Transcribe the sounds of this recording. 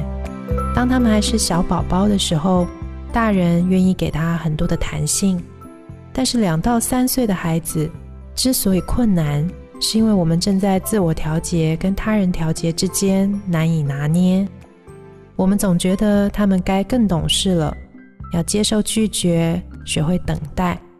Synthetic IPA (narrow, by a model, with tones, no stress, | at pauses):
t̪ɑ˥ŋt̪ʰa˥mə˨nxa˧˥ɪʂɻ̩˥˩ɕjɑ˧˥ʊpɑ˨˩ʊpɑ˥ʊd̪ə˨ʂɻ̩˧˥xo˥˧ʊt̪a˥˩ɻə˧˥nɥɛ˥˧ni˥˩ke˨˩ɪt̪ʰa˥xə˨˩nt̪wɔ˥d̪ə˨t̪ʰa̰˧˥nɕi˥˩ŋ | t̪a˥˧nʂɻ̩˥˩ljɑ˨˩ŋt̪ɑ˥˩ʊsa˥nswe˥˩ɪd̪ə˩xa˧˥ɪd͡zɹ̩˧ | ʈ͡ʂɻ̩˥swɔ˧˥i˨˩kʰwə˥˩nna˧˥n | ʂɻ̩˥˩i˥nwe˥˩ɪwɔ˨˩mə˦nʈ͡ʂɤ˥˧ŋt͡sa˥˧ɪt͡sɹ̩˥˩wɔ˨˩t̪ʰjɑ˧˥ʊt͡ɕjɛ˧˥kə˥nt̪ʰa˥ɻə˧˥nt̪ʰjɑ˧˥ʊt͡ɕjɛ˧˥ʈ͡ʂɻ̩˥t͡ɕjɛ˥nna˧˥ni˨˩na˧˥njɛ˥ | wɔ˨˩mə˦nt͡sʊ˨˩ŋt͡ɕɥɛ˧˥d̪ə˨t̪ʰa˥mə˨nka˥ɪkɤ˥˩ŋt̪ʊ˨˩ŋʂɻ̩˥˩lə̰˩ | jɑ˥˩ʊt͡ɕjɛ˥ʂo˥˧ʊt͡ɕy˥˩t͡ɕɥɛ˧˥ɕɥɛ˧˥xwe˥˩ɪt̪ə˨˩ŋt̪a˥˩ɪ